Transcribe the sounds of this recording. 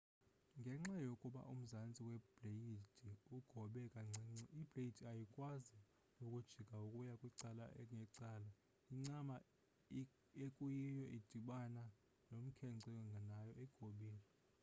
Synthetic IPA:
ŋɡʱɛŋ͡ǁajokʼuɓa̰ʔum̩zant͡sʼiwɛblejid̥ʱiuɡ̥ʱɔɓɛkʼaŋ͡ǀɛŋ͡ǀib̥ʱlejid̥ʱiajikʼwazi | jokʼud̥ʒ̥ʱiɡ̥ʱaukʼujakʼwiǀala̰ɛŋʱɛǀaːla | iŋ͡ǀama | ekʼujijɔʔid̥ʱiɓana | nom̩kʰɛŋǀʱɛŋɡʱanajɔʔɛɡ̥ʱoɓiːli

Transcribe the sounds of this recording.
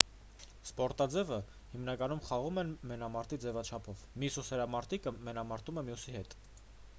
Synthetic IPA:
spɔɾt̪ɑd͡zɛvə | himnɑkɑnumχɑʁumɛnmɛnɑmɑɾt̪id͡zɛvɑt͡ʃʰɑpʰɔvmjususɛɾɑmɑɾt̪ʰikəmɛnɑmɑɾt̪umɛmjusihɛt̪

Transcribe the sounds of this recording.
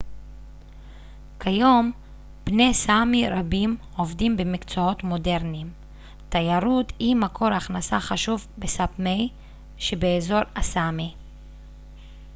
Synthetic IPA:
kʰajo̞m | b̥ne̞samiɾabim | o̞vdimbemikt͡soo̞t̪mo̞de̞ʁnim | t̪ajaɾuthimakʰo̞ɾaχnasaχaʃuvbesapmej | ʃebeːzo̞ɾasami

